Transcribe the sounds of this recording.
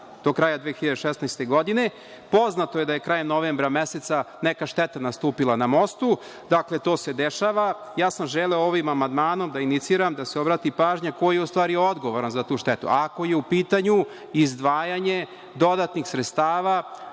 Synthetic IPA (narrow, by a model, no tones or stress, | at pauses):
d̪̥o̞kɾaːjad̪ʋeːxiʎad̪eʃesnajst̪e̞ɡo̞d̪ine | po̞znat̪o̞jed̪aje̞kɾaːjemno̞ʋeːmbɾameset̪sa | nekaʃt̪ɛt̪anast̪uːpilˠanamo̞st̪u | d̪akle̞t̪o̞ːse̞d̪eʃaːʋajaːsamʒeleooʋimamand̪maːno̞md̪ainit̪siːɾamd̪aseo̞bɾaːt̪ipaːʒɲako̞jijeust̪ʋaːɾio̞d̪ɡo̞ʋoɾanzat̪uːʃt̪et̪ṵako̞je̞upiːt̪aɲu | izd̪ʋaːjaɲe̞ | d̪o̞d̪at̪nixsɾet̪st̪aːʋa